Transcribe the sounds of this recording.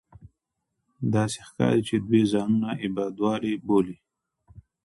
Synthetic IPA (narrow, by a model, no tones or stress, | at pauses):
d̪ɑse̥xkɑ̰ɾit͡ʃed̪wezɑnunaʔɪbɑd̪wɑɾeboli